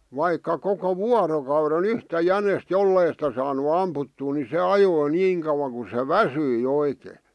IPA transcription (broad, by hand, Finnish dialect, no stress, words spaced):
ʋɑikːɑ koko ʋuɑrokɑuren yhtæ jænest jolːei sĭtæ sɑːnu ɑmputːuː ni se ɑjoi niːŋ kɑŭwɑŋ ku se ʋæsyi oikeː